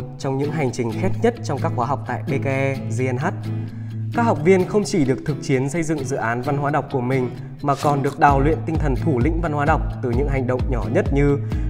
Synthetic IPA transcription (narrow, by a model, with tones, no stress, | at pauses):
t̚t͡ɕɔ˧wŋ͡mɲɨ̰˧˥ŋɦa˨˩jŋ̟t͡ɕï˨˩ŋ̟xɛ˦˥t̚ɲə˦˥t̚t͡ɕɔ˧wŋ͡mkaː˦˥k̚xwaː˨˦ɦa˨˩wk͡p̚t̪a̰ː˧˨jɓe˧ka˧ʔɛ˧zi˧ɛ˧nɦaː˦˥t̚ | kaː˦˥k̚ha˨˩wk͡p̚vi˧ənxə˧wŋ͡mt͡ɕi˧˩ɗɨ˨˩ək̚t̪ʰɨ˨˩k̚t͡ɕi˨˦ənsə˧jzɨ̰˧˨ŋzɨ̰˧˨ʔaː˨˦nva˧nɦwaː˨˧ɗa˨˩wk͡p̚kːu˧˩əmï˨˩ŋ̟ | maː˨˩kɔ˨˩nɗɨ˨˩ək̚ɗaː˨˩wlwḭ˧˨ənt̪ï˧ŋt̪ʰə˨˩nt̪ʰu˧˩lḭ̈˧˥ŋ̟va˧nhwaː˨˦ɗa˨˩wk͡p̚t̪ɨ˨˩ɲɨ̰˧˥ŋɦa˨˩jŋ̟ɗə̰˧˨wŋ͡mɲɔ˧˩ɲə˦˥t̚ɲɨ˧